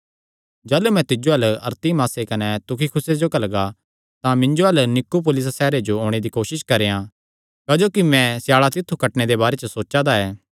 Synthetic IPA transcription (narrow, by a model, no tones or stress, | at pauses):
d͡ʒɐːlumɛ̃t̪ɪd͡ʒoɦɐlɐ̰ɾt̪imaːsekɐnɛt̪ʊkʰikʰʊsed͡ʒoːkɐlɡa | t̪ãmɪ̃ɲd͡ʒoɦɐlnɪkːup̬ʊlɪssɛːɾed͡ʒooːɽ̃ed̪ikoːʃɪʃkɐɾeːã | kaːd͡ʒoːkimɛ̃sɪjaːɭat̪ɪt̪ʰːukɐʈned̪ebaːɾet͡ʃəsoːt͡ʃad̪aɛː